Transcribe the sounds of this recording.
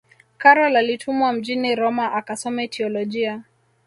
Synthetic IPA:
kaɾɔlalitʰumwam̩d͡ʒiniɾɔmaʔakasɔmɛtʰiɔlɔʄia

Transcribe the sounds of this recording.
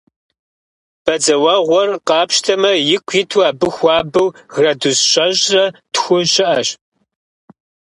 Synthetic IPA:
b̥ɐd͡zɐwɐʁʷɔrqɑːpʃtʰɐmɐjɪkʷʰjɪtʰuaːbɨxʷɑːbɨwɣrɐdusɕʼɐʑrɐtxʷʊɕɪʔɐɕ

